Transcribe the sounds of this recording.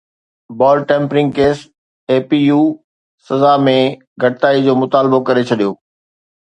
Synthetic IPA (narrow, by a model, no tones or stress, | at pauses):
bɔːlʈẽːmpɾɪ̃ŋɡkeːs | eːpijuː | sɐzamẽ | ɡʱɐʈɪt̪aːid͡ʑoːmʊt̪aːlbokɐɾet͡ɕʰɐɗijoː